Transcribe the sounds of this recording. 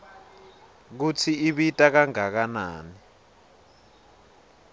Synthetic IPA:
k̬ut͡sʰiiɓitʼak̬aŋak̬ana̰ːni

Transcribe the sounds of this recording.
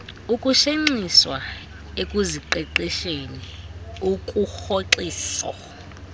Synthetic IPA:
ukʼuʃeŋ͡ǀiswa | ekʼuziǃɛǃiʃeniukʼuxoǀiːsɔ̰

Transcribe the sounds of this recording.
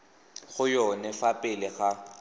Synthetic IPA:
ɣʊjɔnɛfapʼɪlɪɣa

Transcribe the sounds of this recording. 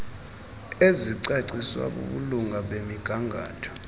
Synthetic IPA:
eziǀaǀiswa̰ɓṵɓuluŋʱaɓemiɡ̥ʱaŋɡʱa̰ːtʰɔ̥

